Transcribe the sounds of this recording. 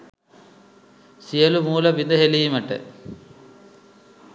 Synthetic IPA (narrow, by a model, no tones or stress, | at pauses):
sijɐlumuːlɐbind̪ɐɦelijimɐʈːḛ